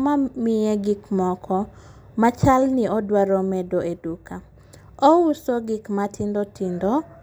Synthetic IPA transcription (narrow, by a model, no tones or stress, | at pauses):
mamɪeɡikmɔkʰɔ | mat͡ʃalnɪɔdwaɾɔmɛdoeduka | ɔusoɡikmatʰindotindɔ